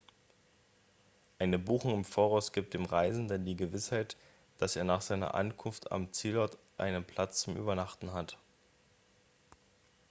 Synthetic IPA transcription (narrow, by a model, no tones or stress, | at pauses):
ʔaɪnəbuːxʊŋɪmfoːʁaʊsɡ̥iːp̚td̥eːmʁaɪzn̩dəndiːɡəvɪshaɪt | d̥aseːɐnaːχz̥aɪnɐ̰ʔa̰nkʰʊnftʰa̰mt͡siːlɔɐt | ʔa̰ɪnənpʰl̥at͡st͡sʊmʔy̰ːbɐnaχtn̩ɦat